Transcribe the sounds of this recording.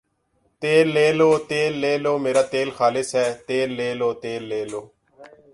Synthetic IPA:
t̪eːlːeːloːt̪eːlːeːloːmeːɾaːt̪eːlxaːlɪsɦɛːt̪eːlːeːloːt̪eːlːeːloː

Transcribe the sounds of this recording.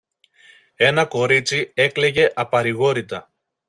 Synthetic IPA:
e̞nɐko̞ɾit͡sie̞kle̞ʝe̞ʔɐpɐɾiɣo̞ɾit̪ɐ

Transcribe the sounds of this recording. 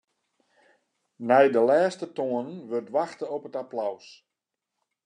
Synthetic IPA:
nɛjdəlɛːstətoənənʋørtʋaxtəɔpətaplaws

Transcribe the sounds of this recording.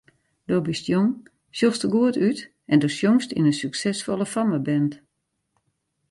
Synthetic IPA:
d̥obɪstjoŋ | sjostəɡuətyt | ɛndosjoŋstḭnəsyksɛsfolˠəfɔməbɛnt

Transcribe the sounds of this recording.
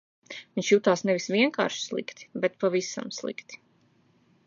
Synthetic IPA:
viɲʃjut̪aːsnɛvisvʲiɛŋka̰ːɾʃi̥slˠḭkt̪i̥bɛt̪pavisa̰mslˠḭkt̪i̥

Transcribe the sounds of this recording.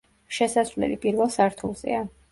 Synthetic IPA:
ʃɛsasvlɛ̰lipʼiɾvɛlˠsaɾt̪ʰulˠz̥ɛ̰a

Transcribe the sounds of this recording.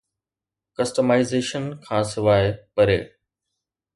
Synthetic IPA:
kɐsʈəmaːɪzeːʃənkʰãːsɪʋaːepɐɾḛː

